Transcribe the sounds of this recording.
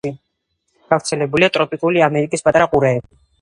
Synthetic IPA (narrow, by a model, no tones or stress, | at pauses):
i | ɡ̥avɾt̪sʰɛlɛbuliat̪ʼɾɔpʼikʼuliamɛɾikʼispʼat̪ʼaɾaqʼuɾɛɛbi